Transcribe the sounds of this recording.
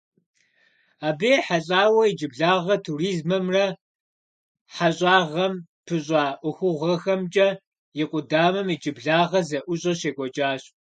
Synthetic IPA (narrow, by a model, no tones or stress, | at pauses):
aːbeːħaɬʼaːwɐid͡ʒɪbɮaːʁɐtʰuriːzmɐmrɐ | ħaɕʼaːʁɐmpʰɨɕʼaːʔʷʊxʷʊʁʷɐxɐmt͡ʃʼɐ | jɪqʷʼʊdaːmɐmid͡ʒʼɪbɮaːʁɐzɐʔʷʊɕʼɐɕeːɡʷɔt͡ʃʼaːɕʼ